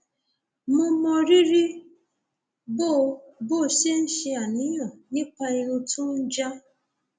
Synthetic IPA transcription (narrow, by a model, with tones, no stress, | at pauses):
mõ˧mɔ˧ɾi˦ɾi˦ | bo˦˨bo˦˨ʃe˦n̩˦ʃe˧a˨nĩ˨˦jɔ˨nĩ˦k͡pa˧i˧ɾu˧tu˦n̩˦d͡ʒa˦